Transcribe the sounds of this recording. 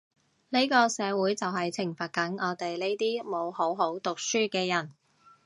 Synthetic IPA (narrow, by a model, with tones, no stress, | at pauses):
ne˥jkɔː˧sɛː˨˧wuː˨˥jt͡sɐ˨wɦɐ˨jt͡sʰɪ˨˩ŋfɐ˨t̚kɐ˨˥ŋɔː˨˧t̪e˨jle˥jt̪iː˥mo˨˧who˨˥wɦo˨˥wt̪ʊ˨k̚syː˥kɛː˧jɐ˨˩n